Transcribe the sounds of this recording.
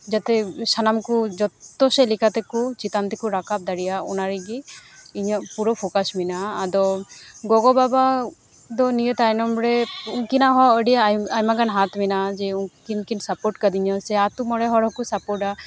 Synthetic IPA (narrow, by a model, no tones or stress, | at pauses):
d͡ʒat̪ɛsanamkud͡ʒɔt̪ːɔsɛlikat̪ɛkut͡ʃit̪ant̪ikuɾakap̚d̪aɽijaɔnaɾiɡiiɲapuɾɔpʰokasminaːd̪ɔɡɔɡɔbaba | d̪ɔnijət̪ajnɔmɾɛuŋkinaɦɔəɖijaajmaɡanɦat̪minad͡ʒɛuŋkinkinsapɔɾʈkad̪iɲɔsɛat̪umɔɽɛɦɔɾɦɔkusapɔɾʈa